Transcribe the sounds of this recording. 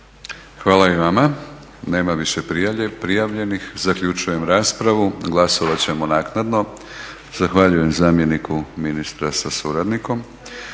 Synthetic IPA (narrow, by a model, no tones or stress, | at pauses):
xʋaːlˠaiʋama | ne̞ːmaʋiʃe̞pɾijaʎe̞pɾijaʋʎe̞nixzakʎut͡ʃuje̞mɾaːspɾaʋuɡlˠaso̞ʋat͡ɕe̞monaːknad̪no̞ | z̥axʋaʎuje̞mzaːmje̞nikʰuminist̪ɾasasuɾad̪niko̞m